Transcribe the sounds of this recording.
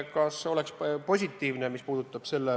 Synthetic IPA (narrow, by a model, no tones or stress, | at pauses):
kɑso̞lekspo̞sʲit̪ːˑiːvnemispuːd̪̥ut̪ːˑɑb̥se̞lːe